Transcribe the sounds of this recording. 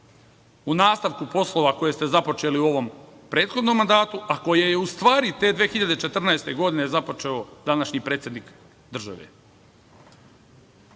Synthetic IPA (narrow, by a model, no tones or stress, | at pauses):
unaːst̪aʋkupo̞slˠo̞ʋako̞jest̪e̞zapo̞t͡ʃe̞ːliuo̞ʋo̞m | pɾe̞ːt̪xo̞d̪no̞mːand̪aːt̪uako̞jejeust̪ʋaːɾit̪e̞ːd̪ʋeːxiʎad̪e̞t͡ʃe̞t̪r̩naest̪e̞ɡo̞d̪inezapo̞t͡ʃe̞od̪anaʃɲipɾeːt̪sʲje̞d̪nik | d̪r̩ʒa̰ʋḛ